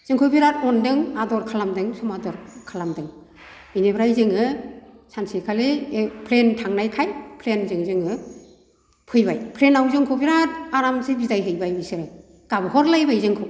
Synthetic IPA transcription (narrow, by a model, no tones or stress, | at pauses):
z̥ɯŋkʰɯbiɾatɔndɯŋadɔɾkʰalamdɯŋsɔmadɔɾkʰalamdɯŋ | ɯjnebɾajzɯŋɯsansikʰalepʰlentʰaŋnajkʰajpʰlenzɯŋzɯŋɯ | pʰɯjbajpʰlenawzɯŋkʰobiɾat̚aɾamsɯbizajɦɯjbajɯsɯɾɯ | kabɯɦɔɾlajbajzɯŋkʰɯw